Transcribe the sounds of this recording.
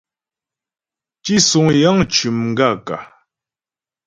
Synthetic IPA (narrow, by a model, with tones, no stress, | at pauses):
t͡ʃi˦su˨ŋja˦ŋt͡ʃʉ˨mŋ̩˨ɡa˦˨ka̰˨